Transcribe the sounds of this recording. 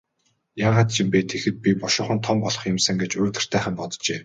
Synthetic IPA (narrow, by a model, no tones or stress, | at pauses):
jaːʁaːt̪̚t͡ɕʰĭmpet̪ʰexɘ̆t̪̚pʲipɔʃʊːχə̆nt̪ʰɔmpɔɮɞ̆χjɪ̆msɘ̆ŋɡet͡ɕʊːt̪ɘ̆r̥t̪ʰæːχə̆mpɔt̪t͡ɕeː